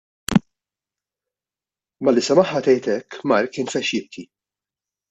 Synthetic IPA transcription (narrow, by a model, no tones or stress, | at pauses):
mɐlisɛmɐħːɐt̪ɛjt̪ɛkːmɐɾkːɪːnfɛʃjɪt̪ʰːi